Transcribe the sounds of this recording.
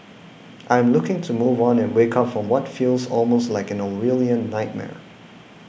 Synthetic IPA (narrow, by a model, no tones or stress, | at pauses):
ʔaɪ̃mlʊkɪ̃ŋtʰumuvɔ̃nɛ̃nwekʰapfɹɔ̃mwɔtfilˠsɔlˠmostlaɪkɛ̃noɹiliə̃nːaɪt̚mɛ̰ɹ